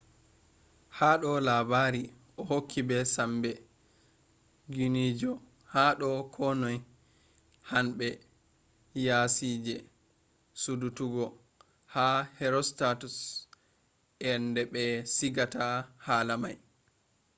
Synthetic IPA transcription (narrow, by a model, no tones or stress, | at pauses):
haɗɔlabaːɾi | ʔɔɦokʰːibɛsambɛ | ɡunid͡ʒɔ | haɗɔkʰɔnɔj | hanɓɛ | jasiːd͡ʒɛ | sudutuɡɔ | hahɛɾɔstatus | ʔɛndɛɓɛsiɡatahalamaj